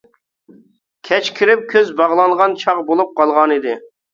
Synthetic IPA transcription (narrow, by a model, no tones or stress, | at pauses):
kʲʰɛt͡ʃkʲʰiɾɪp̚kʲʰøzbɑʁlˠɑŋʁɑnt͡ʃʰɑʁbolˠup̚qɑlˠʁɑnid̪ɪ